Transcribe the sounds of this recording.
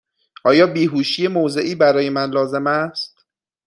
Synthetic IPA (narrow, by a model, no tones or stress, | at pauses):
ʔɒːjɒːbiːɦuːʃije̞moze̞ʔiːbæɾɒːje̞mænlɒːze̞mæst̪